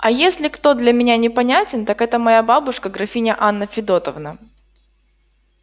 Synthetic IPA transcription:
ɐjesʲlʲɪkt̪o̞d̪lʲɐmʲɪnʲanʲɪpɐnʲatʲɪnt̪akɛt̪əmɐjababʊʂkəɡɾɐfʲinʲəʔanːəfʲɪd̪o̞t̪əvnə

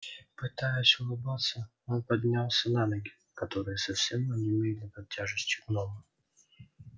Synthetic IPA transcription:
pɨt̪ajɪsʲʊlˠɨbat̪sːə | onpɐdʲnʲalˠsʲənanəɡʲɪ | kɐt̪o̞ɾɨjəsɐfsʲɛmənʲɪɪmʲejɪt̪nʲəpɐtʲːaʐɨsʲtʲɪɡnomə

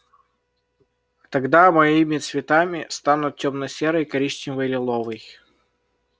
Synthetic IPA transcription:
t̪ɐɡd̪amɐimʲɪt̪svʲɪt̪amʲɪst̪anʊt̪̚tʲomnəsʲeɾəjkɐɾʲiɕt͡ɕɪvəjlʲɪlˠovɨj

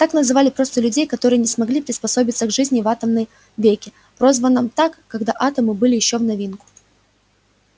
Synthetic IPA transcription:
t̪aknəzɨvalʲɪpɾo̞st̪əlʲʉdʲejkɐt̪o̞ɾɨjənʲɪsmɐɡlʲipɾʲɪspɐso̞bʲɪt̪səɡʐɨzʲnʲɪvat̪əmnəj | vʲekʲɪ | pɾo̞zvənːɨmt̪akːɐɡd̪aʔat̪əmɨbɨlʲɪjɪɕːo̞vnɐvʲinkʊ̥

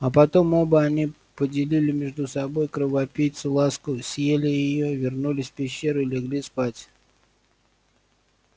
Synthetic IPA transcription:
ɐpɐt̪o̞mo̞bəɐnʲi | pədʲɪlʲilʲɪmʲɪʐd̪ʊsɐbo̞jkɾəvɐpʲijt̪sɨlˠaskʊsʲjelʲɪjɪjo̞vʲɪrnulʲɪsʲfpʲɪɕːeɾɨɪlʲɪɡlʲispatʲ

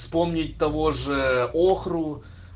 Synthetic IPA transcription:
spo̞mnʲɪt̚ʲt̪ɐvo̞ʐɨoxrʊ

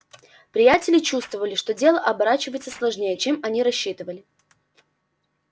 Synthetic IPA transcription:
pɾʲɪjatʲɪlʲɪt͡ɕust̪vəvəlʲɪʂt̪o̞dʲe̞lˠəʔɐbɐɾat͡ɕɪvəjɪt̪səslˠɐʐnʲejət͡ɕemɐnʲiɾɐɕːit̪ɨvəlʲɪ

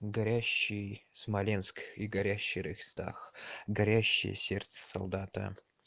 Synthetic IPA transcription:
ɡɐɾʲæɕːɪjsmɐlʲenskiɡɐɾʲæɕːɪjɾɨxʲst̪a̰xɡɐɾʲæɕːɪ̰jə̰sʲert̪sə̥sɐ̰lˠd̪ɑt̪ə̰

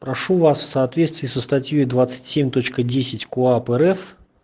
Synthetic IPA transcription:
pɾɐʂuvasfsɐːt̪vʲet̪st̪vʲiːsəst̪ɐtʲjojd̪vat̪sɨ̥tʲsʲemʲt̪o̞t͡ɕkədʲesʲɪtʲkoapɛɾɛf

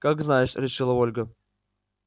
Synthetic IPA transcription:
kakznajɪʂɾʲɪʂɨlˠəolʲɡə

